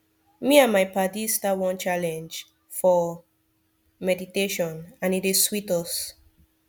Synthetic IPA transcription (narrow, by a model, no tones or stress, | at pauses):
miãnmajpadistawɔ̃nt͡ʃalɛ̃nd͡ʒ | fɔ | mɛditeʃɔ̃nãnitiswitɔs